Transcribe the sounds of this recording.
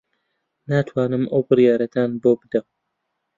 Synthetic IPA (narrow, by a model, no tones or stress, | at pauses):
naːt̪ʰwaːnɨmɐwbɨrjaːɾɐt̪ʰaːnboːbɨd̪ɐm